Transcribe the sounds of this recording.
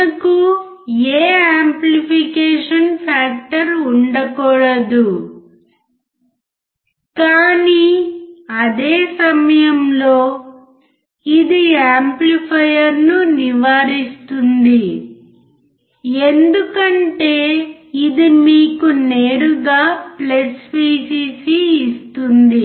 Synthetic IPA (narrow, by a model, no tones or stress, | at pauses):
ɐku | eːaːmplipikeːʂɐnpʰaːk̚ʈɐɾuɳɖɐkɔːɽɐd̪u | kaːni | ɐd̪eːsɐmɐjɐmlo̞ː | id̪iaːmplipʰɐjɐɾnuniʋaːɾist̪und̪i | e̞nd̪ukɐɳʈe̞ːid̪imiːkune̞ːɾuɡaːplespiːsiːsiːst̪und̪i